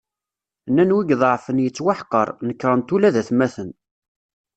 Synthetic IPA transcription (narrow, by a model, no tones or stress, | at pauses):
nːænwiɡðˤʕfənjət͡sːwaħqəɾˤnəkːɾˤənt̪ulæðæθmæθən